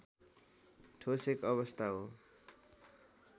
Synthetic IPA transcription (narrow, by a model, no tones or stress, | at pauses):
ʈʰosekʌβʌst̪ʰaɦo